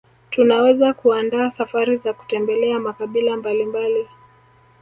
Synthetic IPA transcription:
tunawɛzakuandaːsafaɾizaku̥tɛmbɛlɛamakaɓilambalimbali

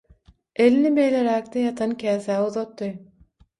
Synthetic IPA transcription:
elinibejleɾæk̚t̪ɛjɑt̪ʰɑnkʰʲæːθæːuðot̪ːɯj

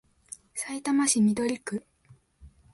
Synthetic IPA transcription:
sait̪amaɕimʲid̪o̞ɾʲikɯ̟

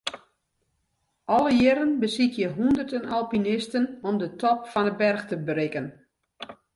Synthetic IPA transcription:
ʔɔlˠəjɪɾənbəsikjəɦundərtənalˠpinɪstənɔmdətʰɔpfɔnəbɛrxtəbrɪkən

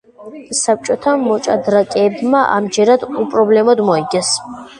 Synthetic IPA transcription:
sap̚t͡ʃʼɔt̪ʰamɔt͡ʃʼad̪ɾakʼɛːbmaʔa̰md͡ʒɛɾad̪upʼɾɔblɛmɔd̪mɔiɡɛs

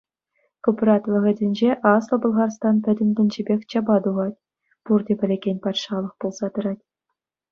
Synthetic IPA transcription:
koprɑt̪ʋʲɤ̆ʁʲɘ̆dʲɘ̆nʲd͡ʑeʔɑslˠɤ̆bɤ̆lˠʁɑrst̪ɑnpʲɘ̆dʲɘ̆nʲdʲɘ̆nʲd͡ʑĕbʲexʲt͡ɕɑbɑd̪uʁɑtʲ | purdʲepʲɘ̆lʲeɡʲenʲpɑt̪ʲʂɑlˠɤ̆χpulˠz̥ɑt̪ɤ̆ɾɑtʲ

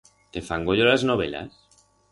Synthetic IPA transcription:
t̪efaŋɡoʎolaznoβ̞ḛla̰s

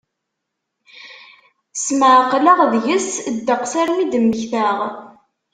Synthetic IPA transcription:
sməʕqːləʁðʝəsd̪ːəqsæɾmid̪əmːəçθæʁ

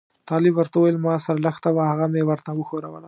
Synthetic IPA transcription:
t̪ɑlɪbwəɾt̪awajəlmɑsaɾaləxt̪awahaɣamewəɾt̪awəxoɾawəla

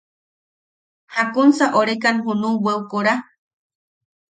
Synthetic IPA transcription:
hakunsaʔoɾekanɦunũweukoɾa

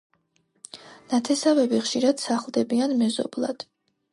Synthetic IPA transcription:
nat̪ʰɛsavɛbiχʃiɾad̪̥saχlˠd̪ɛbianmɛzɔ̰blˠa̰d̪̥

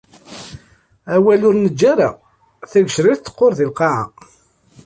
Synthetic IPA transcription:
æwælʊɾnəd͡ʒːaɾa | θæɡʃɾiθt̪ːə̥qːoɾðilqɑʕə̰

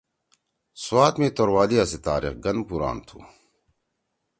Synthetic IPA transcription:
swaːt̪mẽːt̪oɾwaːlijaset̪aːɾḭxɡɐnpuɾa̰ːnt̪ʰṵː

